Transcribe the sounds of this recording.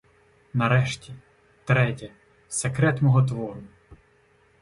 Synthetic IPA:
nɐɾɛʃtʲi | t̪ɾɛtʲɛ | sekɾɛt̪mɔɦɔt̪̬ʋɔɾʊ

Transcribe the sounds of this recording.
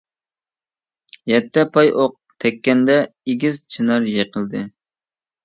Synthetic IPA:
jɛt̪ːɛpʰɑjʔoq̚t̪ʰɛkʲːɛnd̪ɛeɡʲizt͡ʃʰinɑɾjeqəlˠd̪ɨ

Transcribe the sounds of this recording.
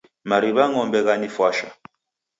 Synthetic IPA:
maɾiβaŋɔmbɛɣanifwaʃa̰

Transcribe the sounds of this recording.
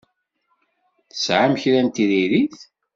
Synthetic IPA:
θə̥sʕamçɾænt̪iðiɾiθ

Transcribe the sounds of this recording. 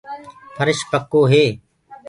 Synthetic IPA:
pʰəɾɪʃpəkːoːɦeː

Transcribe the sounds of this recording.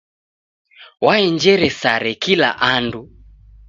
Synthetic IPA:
waɛɲd͡ʒɛɾɛsaɾɛkila̰ʔandu

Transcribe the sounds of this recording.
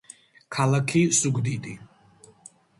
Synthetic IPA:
kʰalakʰisuɡd̪id̪i

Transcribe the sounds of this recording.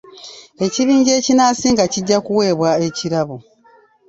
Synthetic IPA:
e̞ciβiːɲɟe̞ːcinaːsiːŋɡaciɟːakuwe̞ːβwaeciɾaβo

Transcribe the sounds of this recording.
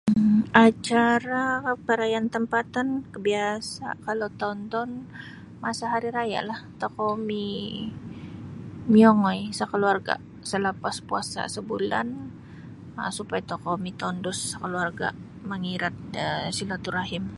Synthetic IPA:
at͡ʃaɾapəɾajant̪əmpat̪ankəbiasa̰kalowt̪aɔnt̪ɔn | masaɦaɾiɾaja̰ʔlaht̪ɔkɔmi | miɔŋɔjsəkəluarɡa̰ | sələpaspua̰sa̰səbula̰n | ə̰supajat̪ɔkomit̪ɔndʊsːəkəluarɡa̰ | məŋiɾat̪̚əsilat̪uɾaɦɪm

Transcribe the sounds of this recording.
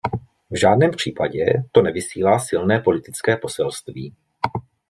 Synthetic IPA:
vʒaːdnɛːmpr̝̥iːpaɟɛ̰t̪o̞nɛvɪsiːlaːsɪlnɛːpo̞lɪt̪ɪt͡skɛːpo̞sɛlst̪vḭː

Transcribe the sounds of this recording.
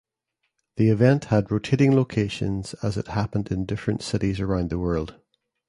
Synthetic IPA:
ðiɪvɛ̃nʔhədɹotʰeʔɪ̃ŋlˠokʰeʃə̰̃nz̥əzɪ̰ʔhapə̃ndɪ̃ndɪfɹə̃ntsɪʔizə˞ãʊ̃nðəwɜ˞lˠd̥

